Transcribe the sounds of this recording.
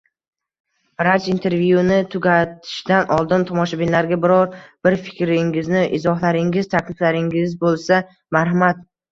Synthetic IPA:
ɾat͡ʃint̪ʰe̞ɾvjunɪt̪ʰʊɡʲat̪ʰɪ̥ʃd̪anʔɒlˠd̪ɪnt̪ʰɒmɒʃabɪnlaɾɡʲabɪɾɒɾb̥ɪɾfɪ̥kʲɾɪŋɪznɪʔɪzɒhlaɾɪŋʲɪzt̪ʰakʲʰlɪflaɾɪŋʲɪzbolˠsa | maɾɦamat̪̚

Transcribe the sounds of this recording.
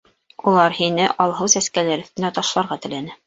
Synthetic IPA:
ulˠɑɾhinɘʔɑlˠɦɤwsæskælæɾɵ̆θt̪ɘ̆næt̪ɑʃlˠɑɾʁɑt̪ɘ̆lænɘ

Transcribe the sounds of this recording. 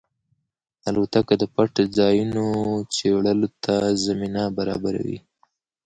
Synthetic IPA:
alot̪akad̪əpaʈd͡zɑjunot͡seɽəlot̪ʰazaminabaɾɑ̰baɾa̰wḭ

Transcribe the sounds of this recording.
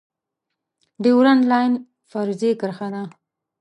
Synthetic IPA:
d̪əwɾanlajn | faɾzekəɾxana

